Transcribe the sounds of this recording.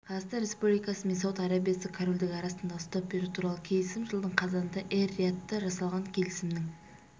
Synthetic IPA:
qʰɑzɑʁst̪ɑnɾe̞spublijkɑsəme̞ns̬ɑwət̪ɑɾɑbijasəkʰaɾo̞ld̪ɪɡʲɪɑɾɑsənd̪ɑʊst̪ɑp̚beɾut̪ʰuɾɑlˠəkʲʰe̞lɪsɪmʒəlˠd̪əɴqʰɑzɑnənd̪ɑʔerːiat̪ːəʒɑsɑlˠʁɑŋkʲʰe̞lɪsɪmnɪŋ

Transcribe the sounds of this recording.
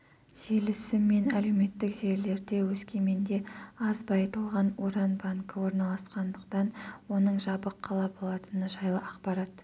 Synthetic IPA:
ʒ̥elɪsɪmːe̞næle̞wme̞t̪ːɪkʒe̞ɾle̞ɾd̪e̞wɵskʲe̞me̞nd̪e̞ɑzbɑjt̪əlˠʁɑnwoɾɑnbaŋkəwo̞ɾnɑlˠɑsqɑnd̪əqt̪ɑnwo̞nəɴʒɑbəqʰːɑlˠɑbo̞lˠɑt̪ənəʒɑjlˠəʔɑqpɑɾɑt̪

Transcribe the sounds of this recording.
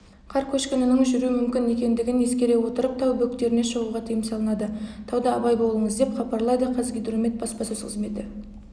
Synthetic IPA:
qʰɑɾkʲʰɵʃkʲenənəɴʒʏɾumʏmkʲɪne̞kʲe̞nd̪ɪɡʲɪne̞skʲe̞ɾe̞wo̞t̪əɾəp̚t̪ʰɑwbɵkt̪e̞ɾɪne̞ʃəʁuʁɑt̪ʰijɪmsɑlˠənɑd̪ət̪ʰɑwd̪ɑːbɑjbo̞lˠəɴəzd̪e̞pχɑpɑɾlˠɑd̪əqʰɑzɡʲijd̪rome̞t̪̚bɑspɑsɵzqʰəzme̞t̪ɪ

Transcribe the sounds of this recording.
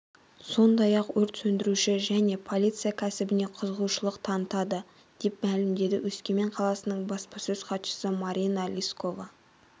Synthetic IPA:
so̞nd̪ɑjɑqwɵɾt̪sɵnd̪ɪɾuʃɪʒæne̞pʰo̞lʲijt̪sɨjakʲʰæsɪbɪne̞qʰəzəʁuʃəlˠəqt̪ʰɑnət̪ɑd̪ə | d̪̥e̞p̚mælɪmd̪e̞d̪ɪwʔɵskʲe̞meɴqʰɑlˠɑsənəɴbɑspɑsɵzqʰɑt̪ʃə̥səmɑɾʲinɑlʲisko̞vɑ

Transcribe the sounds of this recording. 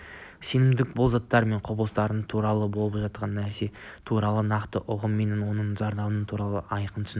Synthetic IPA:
se̞nɪmd̪ɪk̚bolˠzɑt̪ːɑɾme̞ɴqʰobəlˠəst̪ɑɾənt̪ʰuɾɑlˠəbo̞lˠəpʒɑt̪̚qɑnːæɾse̞t̪ʰuɾɑlˠənɑqt̪əʔʊʁəmːe̞nɪnwo̞nəɴʒɑɾd̪ɑbənət̪ʰuɾɑlˠəɑjqənt̪ʰʏ̥sɪn

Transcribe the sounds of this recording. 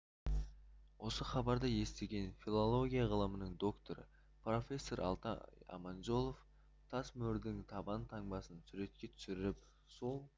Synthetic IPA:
wʔo̞səχɑbɑɾd̪əje̞st̪e̞ɡʲe̞nfʲilˠolˠo̞ɡʲijaʁəlˠəmənəŋd̪o̞kt̪o̞ɾə̰ | pro̞fʲe̞sːo̞ɾʔɑ̰lˠt̪ɑ̰ɑ̰mɑnʒo̞lˠof | t̪ʰɑsmɵɾd̪ɪŋt̪ʰɑbɑnt̪ʰɑŋbɑsənsuɾe̞t̪̚kʲe̞t̪ʰʏ̥sɪɾɪɾɪp̚ | solˠ

